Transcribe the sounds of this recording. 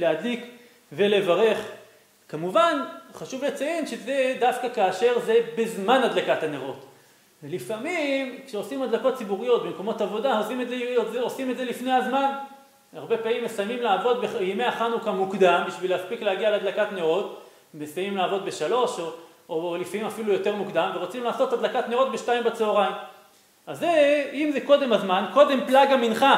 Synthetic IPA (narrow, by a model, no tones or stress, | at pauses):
lead̪lik | ve̞le̞vaʁe̞χ | kamuvanχaʃuvlet͡sajenʃeze̞d̪afkakaːʃe̞ʁze̞bezmanadlakathaneʁo̞t̪ | velifamimkʃeo̞simad̪lako̞t̚t͡sibuʁijo̞t̪̚bemko̞mo̞t̪avo̞d̪aosimezeozeosimetdzelifnejhazman | aʁbe̞paimːesajmimlaːvo̞t̪̚beimeaχanukamukd̪ambiʃvileaspiklehaɡialead̪lakatne̞ʁo̞t | mesajmimlaːvo̞d̪be̞ʃalo̞ʃo | olifamimafilujo̞te̞ʁmukd̪amveʁot͡simlaːso̞t̪had̪lakat̪ne̞ʁo̞t̪̚beʃtajimbet͡seoʁaim | azeimzeko̞d̪e̞mazmanko̞d̪e̞mplaɡaminχa